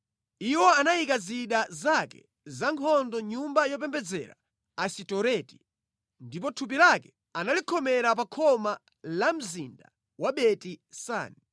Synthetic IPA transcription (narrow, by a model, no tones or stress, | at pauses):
iwɔanajikaziɗazakɛ̰ | zaŋkʰɔndɔɲumbajɔp̬ɛmbɛd͡zɛ̰ɾa̰ | asitɔɾɛti̥ | ndip̬ɔtʰup̬ilakɛ̥ | analikʰɔmɛɾapakʰɔma | lam̩zinda̰ | waɓɛtisa̰ːni